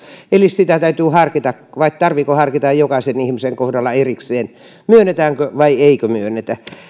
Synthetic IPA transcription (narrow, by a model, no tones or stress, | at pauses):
elissit̪æt̪æyt̪yːhɑrkit̪ɑkʋɑitt̪ɑrʋiːkohɑrkit̪ɑjjokɑsenihmiseŋkohdɑlːɑerikseːn | myønːet̪æːŋkøʋɑieikømyønːˑet̪æ